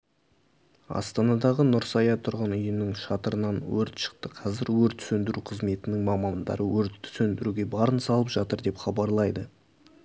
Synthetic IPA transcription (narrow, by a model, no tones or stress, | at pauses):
ɑ̰st̪ɑnɑd̪ɑʁənʊɾsɑjɑt̪ʰʊɾʁənʏjənɪŋʃɑt̪əɾənɑnwɵɾt̪ʃə̥qt̪əqʰɑzɪɾwɵɾt̪sɵnd̪ɪɾuqʰəzme̞t̪ɪnɪŋmɑmɑnd̪ɑ̰ɾʔəwɵɾt̪ʰːsɵnd̪ɪɾuɡʲe̞bɑɾənsɑlˠəpʒ̥ɑt̪əɾd̪e̞pχɑbɑɾlˠɑjd̪ə